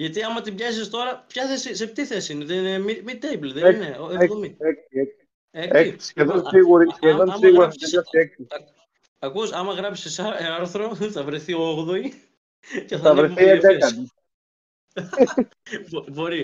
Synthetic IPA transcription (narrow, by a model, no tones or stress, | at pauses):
ʝɐt̪iɐmɐt̪ibʝɐsist̪o̞ɾɐpçɐθesiset̪iθe̞siineðennemimit̪ːejblðeeineoðomieksieksi̥ | eeseðonsiɣuɾisçeðonsiɣuɾɐseɐsieksiɐ | ɐkusɐmɐɣɾɐpi̥sisɐɾθɾo̞θɐvɾeθioɣðoi | ceθɐɐvɾeθied̪ekɐni | bbo̞ɾi